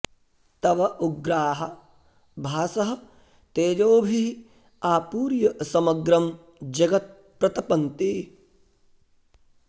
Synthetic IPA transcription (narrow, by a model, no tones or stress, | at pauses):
t̪ɐʋɐʔuɡɾaːɦɐ | bʱaːsɐɦɐ̆ | t̪eːd͡ʒoːbʱi | aːpuːɾjɐsɐmɐɡɾɐm | d͡ʒɐɡɐt̪̚ | pɾɐt̪ɐpɐnt̪i